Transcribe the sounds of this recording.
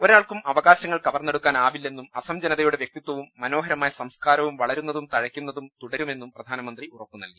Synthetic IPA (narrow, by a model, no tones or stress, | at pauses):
o̞ɾaːɭkumɐʋɐɣaːɕɐŋːɐɭkɐʋɐrnːe̞ɽukːaːnaːʋilːe̞nːumɐsɐmd͡ʑɐnɐðɐjuɽeʋjek̚t̪it̪ːwɐʋumːɐno̞ːɦɐɾɐmaːjɐsɐmskaːɾɐʋumʋɐɭɐɾunːɐðumt̪ɐɻɐkʲːun̪ːɐðumt̪uɽɐɾume̞nːumprɐd̪ʱaːnɐmɐnd̪riurɐpːunɐ̰lki